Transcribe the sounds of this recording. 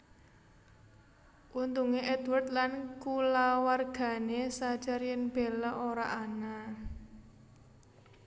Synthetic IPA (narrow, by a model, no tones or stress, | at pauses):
ʔunt̪uŋeʔɛd̪wərd̪lankulawarɡ̥ä̤nesad̥ʒ̥arjənb̥elaʔoɾa̰ʔana